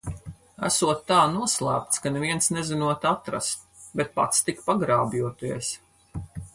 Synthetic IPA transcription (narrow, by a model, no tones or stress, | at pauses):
æ̰suɔt̪ːaːnuɔslˠæːp̚t̪skanɛviɛnsnɛzinuɔt̪at̪ɾa̰st̪̚ | bɛt̪̚pa̰t̪st̪ikpaɡɾaːbjuɔt̪iɛs